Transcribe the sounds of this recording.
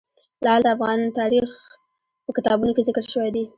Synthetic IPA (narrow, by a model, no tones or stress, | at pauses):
lɑld̪əafɣɑnt̪ɑɾix | pəkɪt̪ɑbunokezɪkɾʃəwajd̪e